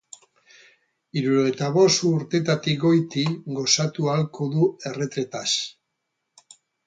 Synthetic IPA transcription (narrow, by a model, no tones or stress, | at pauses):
iɾuɾoet̪aβo̞st̪uɾt̪e̞t̪at̪iɡo̞jt̪iɡo̞sat̪ualko̞ðue̞re̞t̪ɾe̞t̪as